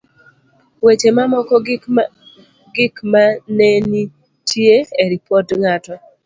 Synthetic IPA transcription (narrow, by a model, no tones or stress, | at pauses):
wet͡ʃemamɔkɔ | ɡɪkmaneni | tʰjeeɾipɔtŋatɔ